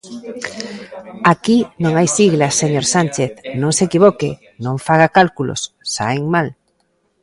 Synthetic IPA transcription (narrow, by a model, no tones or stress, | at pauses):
akinõŋajsiɣlasːeɲoɾsant͡ʃeθnõŋsekiβ̞oke | nõŋfaɣakalkulo̰sːa̰eŋmal